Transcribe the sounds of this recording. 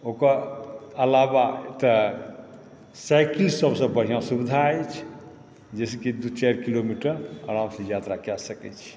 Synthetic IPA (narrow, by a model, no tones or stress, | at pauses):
okəɾəlabaet̪ə | sajklsəbsə̃bəɦijãsubid̪ʱajt͡ʃʰ | d͡ʒeskid̪ut͡ʃaɾkilomiʈəɾəɾamsẽjat̪ɾakasəkɛ̰t͡ʃʰi̥